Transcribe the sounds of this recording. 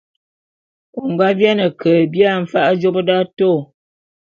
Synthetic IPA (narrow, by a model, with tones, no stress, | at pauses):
ko˨ŋ˨ɡwa˦vja˦nə˨kʰə˨bja˦˨m̩˨fa˦ʔa˦d͡ʒo˦pə˦da˦to˦˨